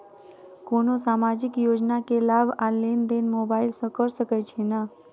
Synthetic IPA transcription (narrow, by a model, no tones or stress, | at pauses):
konosamad͡ʒɪkjoːd͡ʒnakelabʱalend̪enmobailsəkəɾsəket͡ʃʰena